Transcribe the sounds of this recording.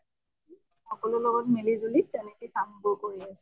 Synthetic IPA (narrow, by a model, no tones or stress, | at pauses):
xɔkɔlʊlɔɡɔtmilizulitenekikambʊɹkoɹias